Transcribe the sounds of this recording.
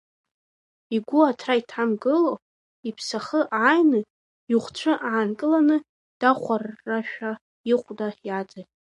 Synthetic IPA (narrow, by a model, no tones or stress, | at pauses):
iɡʷʊatʰraitʰamɡɨlo | ipʰsaχəʔajnɨ | juχʷt͡ɕʷʰɨʔaːnkʼɨlanɨ | d̥aχʷarːaʃᶣa | iχʷdajad͡zajʼ